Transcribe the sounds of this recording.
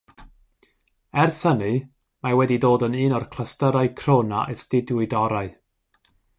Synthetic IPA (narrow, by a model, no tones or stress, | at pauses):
ɛrsənɨ | mawɛdidoːdənɨːnɔrkʰl̥ˠəstəɾaɨkʰroːna̰ʔəstɪdʊɨdɔɾaɨ